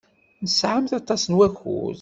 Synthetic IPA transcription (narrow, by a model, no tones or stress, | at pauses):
nəsʕamθɑt̪ˤːɑsənwæçṵz